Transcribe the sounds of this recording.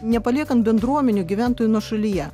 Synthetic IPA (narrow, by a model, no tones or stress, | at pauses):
nʲɛpɐlʲiɛkɐnt̪bʲɛnd̪ɾuɔmʲɛnʲʊɡʲɪʋʲænt̪ojʊnoʃɐlʲɪjɛ